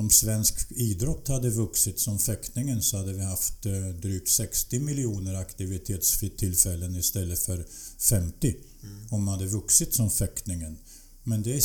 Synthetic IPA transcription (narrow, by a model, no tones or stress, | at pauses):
ɔmsvɛnskiːd̪ɾɔt̪ːhad̪ːəvɵksɪt̪sɔmfɛknɪŋənsɔhad̪ːəvɪhaft̪d̪ɾyːk̚t̪sɛkst̪ɪmɪlɪuːnəɾakt̪ɪvɪt̪ʰeːt̪sfɪt̪ʰːɪlfɛlːənɪst̪ɛlːəfœɾfɛmt̪ɪ | ɔmhad̪ːəvɵksɪt̪sɔmfɛknɪŋən | mɛnd̪ɛ